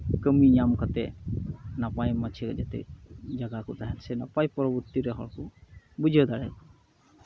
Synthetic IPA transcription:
kəmiɲamkat̪ɛ | napajmat͡ʃʰikzat̪ɛ̰d͡ʒaɡakɔtaɦɛnsɛna̰pajpɔɹɔbɔt̪iɹɛɦɔ̰ɹkubud͡ʒiɔd̪aɹa̰k

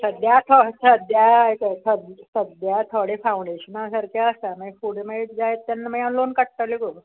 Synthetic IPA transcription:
səd̪jat̪ʰɔsəd̪jaekəsəd̪səd̪jat̪ʰɔɽefaũɳɖeɕənasəɾkjaəst̪aməfuɽemaiʈ̪d͡zajet̪ːjanːməjãlonkəʈ̚ʈalekob

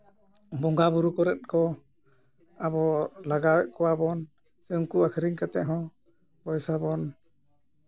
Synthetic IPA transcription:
bɔŋɡabuɾukɔɾɛt̪̚kɔ | abɔlaɡawɛʔ̚kɔwabɔn | sɛuŋkuakʰəɾiŋkat̪ɛʔɦɔ̃ | pɔjsabɔn

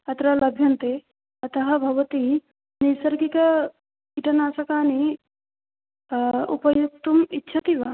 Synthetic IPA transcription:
ɐt̪ɾɐlɐbʱjɐnt̪e | ɐt̪ɐɦɐbʱɐʋɐt̪i | nisɐɾɡikɐ | iʈɐnaːsɐkaːni | upɐjuk̚t̪umitːʃʰɐt̪iʋa

